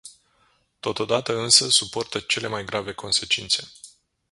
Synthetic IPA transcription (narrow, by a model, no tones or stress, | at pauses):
t̪o̞t̪o̞d̪at̪əɨnsəsupo̞rt̪ət͡ʃe̞le̞majɡɾʔave̞kʰo̞nse̞t͡ʃint̪se̞